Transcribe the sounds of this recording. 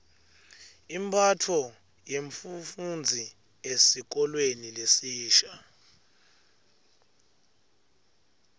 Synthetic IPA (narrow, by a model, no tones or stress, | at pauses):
imbʰʼatʰɔ | jeɱfufund͡zʱi | esik̬ɔlwenilesiːʃa